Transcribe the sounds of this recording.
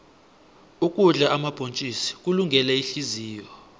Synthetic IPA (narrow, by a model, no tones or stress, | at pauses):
ukʼuɮaʔamab̥ʱont͡ʃʼisi̥k̬ʼuluŋɡʱɛlɛiɬiziːjɔ